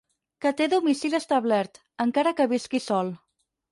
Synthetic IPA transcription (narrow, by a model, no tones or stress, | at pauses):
kət̪eðumisiləst̪əβlɛɾt̪ | əŋkaɾəkəβiskisɔlˠ